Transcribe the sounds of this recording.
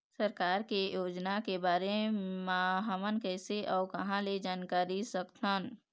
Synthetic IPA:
səɾkaːɾkejoːd͡ʒnakebaːɾemãɦəmənkɛːseʔɔːɾkəɦãled͡ʒaːnkaːɾisəkt̪ʰən

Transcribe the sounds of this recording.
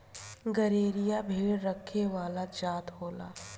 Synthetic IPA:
ɡɐɾeːɾijabʱiːɭːɐkʰːeʋaːlad͡ʒaːt̪ɦoːla̰ː

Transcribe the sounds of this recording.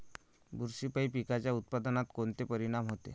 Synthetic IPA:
buɾsipaipikat͡ɕjaut̪̚pad̪ənat̪kont̪epəɾiɽ̃amɦot̪ḛ

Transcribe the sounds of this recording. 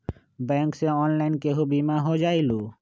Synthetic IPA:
bɛŋkseɔnlajnkeɦubimaɦod͡ʒajlu

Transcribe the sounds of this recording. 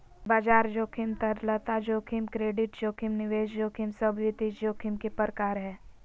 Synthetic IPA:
baːd͡ʒaːɾd͡ʒoːkʰɪmt̪əɾlət̪ad͡ʒoːkʰɪmkɾeːɖɪʈd͡ʒoːkʰɪmnɪʋeːʃd͡ʒoːkʰɪmsəbʱʋit̪id͡ʒd͡ʒoːkʰimkepəɾkaːɾɦɛː

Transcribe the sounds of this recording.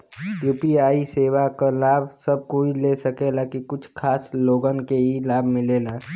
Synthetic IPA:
juːpiaːiseːwakalaːbsɐb̚koilesəkelakikʊt͡ʃʰkʰaːsloːɡənkeɦilaːbʱmɪlelaː

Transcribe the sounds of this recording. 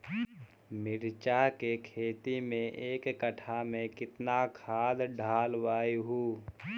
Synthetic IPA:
mɪɾt͡ʃakekʰeːt̪imẽʔeːkːəʈʰamẽkɪt̪nakʰaːd̪ɖʱaːlwaːiɦuː

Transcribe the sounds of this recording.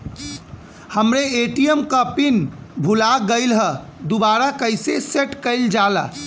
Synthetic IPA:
həmɾeeʈijəmkəpin | bʱulaɡəɪlɦə | d̪ubaɾakəɪseseʈkəɪld͡ʒalə̰

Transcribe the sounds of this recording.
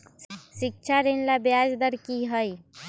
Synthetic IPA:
sɪk̚t͡ʃʰaɾenlabjad͡ʒd̪əɾkiɦəj

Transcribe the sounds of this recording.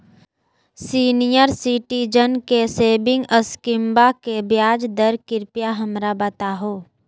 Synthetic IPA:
siːnijəɾsiʈid͡ʒənkeseːbɪ̃ŋɡəskɪ̃mbakebjaːd͡ʒd̪əɾkɪɾpjaɦɐmɾabət̪aɦoː

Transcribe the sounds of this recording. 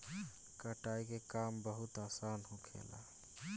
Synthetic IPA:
kəʈaikekambəɦut̪asanɦũkʰḛla̰

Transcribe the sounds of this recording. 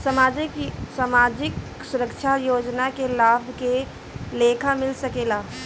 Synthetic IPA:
səmaːd͡ʒɪksamaːd͡ʒɪk | sʊɾəkʃʰajoːd͡ʒnakelaːbʱke | leːkʰamɪlsəkeːlaː

